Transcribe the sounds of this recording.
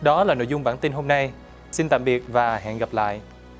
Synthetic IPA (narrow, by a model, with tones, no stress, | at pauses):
ɗɔ˨˦laː˨˩no̰˧˨zʊ˧ŋ͡mɓaː˧˩nt̪i˧nɦo˧mna˧j | si˧nt̪a̰ː˧˨mɓi˨˩ət̚vaː˨˩ɦa̰ː˧˨nɣa˨˩p̚la̰ː˧˨jʔ